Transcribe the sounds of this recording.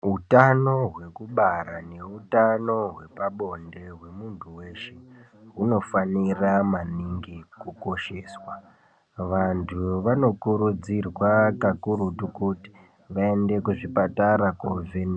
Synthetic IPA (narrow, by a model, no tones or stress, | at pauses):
ɦutano̞ɦwe̞kuɓaɾane̞utano̞ɦwe̞paɓo̞nde̞ɦwe̞muntʰuwe̞ːʃe | ɦuno̞faniramaniŋɡikuko̞ʃe̞ːswa | ʋantʰuʋano̞kuɾud͡zirwakakuɾutukuti̥ | ʋae̞nde̞kuʐipataɾakoveni